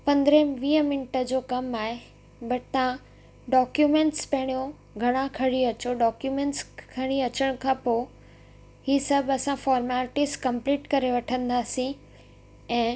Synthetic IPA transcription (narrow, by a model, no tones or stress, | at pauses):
pɐ̃nd̪ɾə̃ʋiːəmɪnʈə̆d͡ʑoːkɐmaːɦe | bɐʈt̪ã | ɖɔːkjumẽːɳʈspɐɦɪɽ̃ijõ | ɡʱɐɽ̃ãkʰɐɽ̃iɐt͡ɕoɖɔːkjumẽːɳʈskʰɐɽ̃iɐt͡ɕəɽ̃ʊkʰãːpoː | hiːsɐbɐsãfɔːɾmaːlʈɪskɐ̃mpliːʈkɐɾeʋɐʈʰə̃nd̪aːsĩ | ɛ̃ː